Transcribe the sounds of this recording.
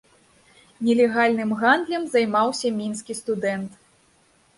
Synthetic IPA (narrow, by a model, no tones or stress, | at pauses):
nʲɛlʲɛɣalʲnɨmɣand̪lʲɐmzɐjmawsʲɐmʲinskʲist̪ud̪ɛnt̪